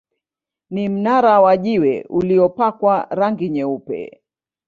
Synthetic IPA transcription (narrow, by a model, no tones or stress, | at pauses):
nim̩naɾawaʄiwɛ̰uliɔpakwaɾaŋɡiɲɛupɛ̰